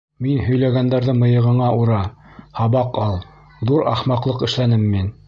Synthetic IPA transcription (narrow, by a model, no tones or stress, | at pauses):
minhɵ̆jlæɡænd̪æɾðɘmɤ̆jɤ̆ʁɤ̆ɴɑʔuɾɑhɑβɑqɑlˠ | ðuɾɑ̰χmɑqlˠɤqɘ̆ʃlænɘmːin